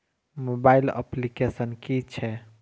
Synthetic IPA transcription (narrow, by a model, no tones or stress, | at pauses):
mobailə̰plikesənkit͡ʃʰɛ